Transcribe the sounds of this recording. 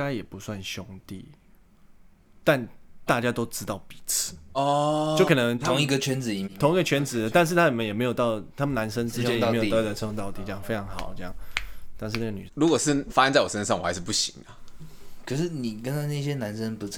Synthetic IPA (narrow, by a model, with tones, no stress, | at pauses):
a˥ɪjɛ˨˩pu˨˦swa˥˩nɕjʊ˥ŋt̪ḭ˥˨ | t̪a˥˨˩nt̪a˥˨t͡ɕja˥t̪o˥ʊʈ͡ʂɻ̩˥t̪ɑ˥˩ʊpi̥˨˩t͡s̩ʰ˥˩˦ɔ˨t͡ɕo˥˩ʊkʰɤ˨˩nə˧˦ŋt̪ʰo˧˦ŋi˧ɡə˨˧t͡ɕʰɥɛ˧˥nt͡sɹ̩˨i˧˩˨t̪ʰʊ˧˥ŋi˧˥ɡə˧t͡ɕʰɥɛ˧˥nt͡sɹ̩˨˩d̪ə˦t̪a˥˧nʂ̬̩˥˩t̪ʰa˥˨mə˨njɛ˨˩me˧˥ɪjo˨˩ʊt̪ɑ˥˩ʊt̪ʰa˥mə˨na˧˦nʂə˥nt͡sɻ̩˥jɛ˥˧jjo˨˥˧ə˨˩˥o˧˥t̪ɑ˥˧ʊt̪i˥˩t͡ɕjɑ˥ŋfe˥ɪʈ͡ʂʰɑ˧˥ŋxɑ̰˨˩˦ʊə˥jɑ̰˥˩ŋt̪a˥˧nʂ̬ɻ̩˥˧na˥ɡə˨ny̰˨˩lu˧˥kwɔ˨˩ʂ̩˥˩fa˥nt͡sa˥˩ɪwɔ˨˩ʂə˦nʂɑ˥˨ŋwɔ̰˨˩xa˧˦ɪʂɻ̩˥˩p̬u˥˩ɕi̥˨˦ŋɐ˨kʰə˨˩ʂ̬ɻ̩˥˩ni˨˩kə˥na˥˧na˥˩ɕjɛ˥na˧˦nʂə˦npu˧˥